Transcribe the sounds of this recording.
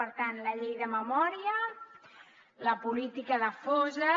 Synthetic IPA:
əɾt̪anləʎejðəməmɔɾiə | ləpulit̪ikəðəfɔzə

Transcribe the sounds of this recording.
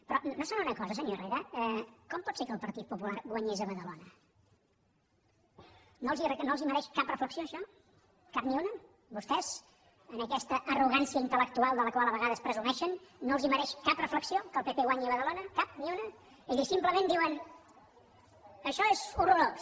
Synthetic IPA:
pɾɔnnosanunəkɔzəs̬əɲoreɾəɛkɔmpɔt̪sekəlˠpəɾt̪it̪̚pupulaɾɡwəɲezəβəðəlonə | nolˠzirənoəlˠziməɾɛʃkap̚rəfləksioəʃɔ | kapniunə | bust̪ɛz | ənəkɛst̪əʔəruɣ̞ansiəint̪ələk̚t̪ualˠd̪ələkwalˠəβəɣaðəspɾəzunɛʃənːoəlˠziməɾɛʃkaprəfləksiokəlˠpepeɣwaɲiəβəðəlonəkap̚niunə | eðisimpləmẽnd̪iwən | əʃɔezuruɾos

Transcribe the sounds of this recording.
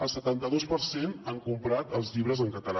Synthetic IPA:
əlˠsət̪ant̪əðospəɾsenaŋkumpɾat̪əlˠzʎiβɾəzəŋkət̪əla

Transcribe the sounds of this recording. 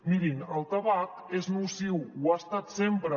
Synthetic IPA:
miɾinəlˠt̪əβakeznusiwwast̪at̪sempɾə

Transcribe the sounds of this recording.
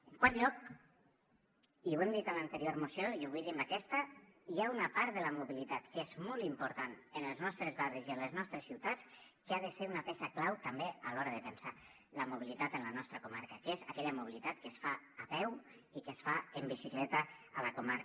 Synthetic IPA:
ŋkwaɾʎɔk̚ | iwemd̪it̪əlant̪əɾioɾmusjojuβiɾimbakɛst̪ɐiaunapaɾt̪̚ðəlɐmuβilit̪at̪kezmɔlˠt̪impuɾt̪anənəlˠznɔst̪ɾezβariziənləznɔst̪ɾesːiwt̪at͡s | keaðəseɾunapɛʃaklawt̪ambealɔɾəðəpənsa | ləmuβ̞ilit̪at̪ənlanɔst̪ɾəkumaɾkakezakɛʎamuβ̞ilit̪at̪kəsfaːpɛw | ikəsfaəmbisiklɛt̪əːləkumaɾ

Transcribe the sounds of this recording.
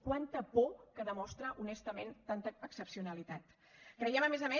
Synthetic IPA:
kwant̪əpɔkəðəmɔst̪ɾəʔunɛst̪əment̪ant̪əəksəpsiunəlit̪at̪ | kɾəjɛməmezəme

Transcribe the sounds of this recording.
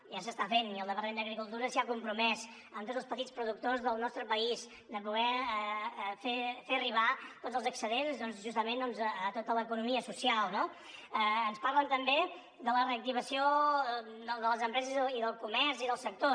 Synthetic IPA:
ʒasəst̪afeniəlˠəβərend̪əɣɾikulˠt̪uɾəsiakumpɾumɛs | əmt̪ozðəlspət̪it͡spɾuðuk̚t̪ozðəlˠnɔst̪ɾəpəis | d̪əpuɣɛ | fefeəriβ̞at̪odzəlˠzəksəðensðɔnzʒust̪əmend̪ɔnzəət̪ot̪ələkunumiəsusialˠno | əənsparlənt̪əmbe | d̪ələreək̚t̪iβəsio | d̪əd̪ələzəmpɾɛzəziiðəlˠkumɛɾziðəlˠsək̚t̪o

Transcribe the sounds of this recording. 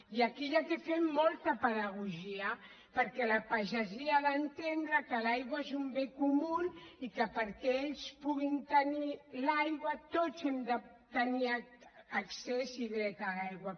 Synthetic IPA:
iəkiʎat̪efemmɔlˠt̪əpəðəɣ̞uʒiə | pəɾkɛləpaʒəziaðənt̪end̪ɾəkəlajɣwaezumbekumunikəpəɾkɛeʎspuɣint̪ənilajɣwət̪ozɛmd̪ə | t̪əniaːksesiðɾɛt̪alajɣwɐ

